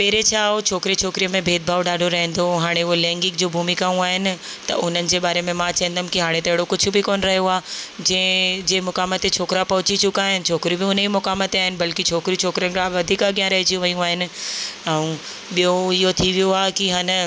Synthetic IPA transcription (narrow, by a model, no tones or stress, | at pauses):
pɛɦɪɾet͡ɕʰaːɦot͡ɕʰoːkɾet͡ɕʰoːkɾijəmẽbʱeːd̪̚bʱaːʋɖaːɖʱoɾɐɦɛ̃nd̪oɦaːɽ̃eʊɦolɛ̃ːŋɡɪkd͡ʑoːbʱuːmikaːũaːɦɪnɪ̆ | t̪ɐ̰ʔʊn̤ənɪ̆d͡ʑeːɓaːɾemẽmãt͡ɕɐɦə̃nd̪ʱəmkiɦaːɽ̃et̪ɐɦɪɽokʊd͡ʑʱʊ̆bʱɪkoːnɾɐɦijoaːd͡ʑɛ̃ɪ̃d͡ʑeːmʊkaːmət̪et͡ɕʰoːkɪɾapɐɦʊt͡ɕit͡ɕʊkaːɦɪnɪ̆t͡ɕʰoːkɾibɪʊnimʊkaːmət̪eaːɦɪnɪ̆bɐlkit͡ɕʰoːkɾit͡ɕʰoːkɾənkaʋɐd̪ʱiːkaɡjãːnɾɐɦet͡ɕijũʋɐijũaːɦɪnɪ̆ɛ̃ũ | ɓijoɪɦot̪ʰiʋijoaːkiɦaːnə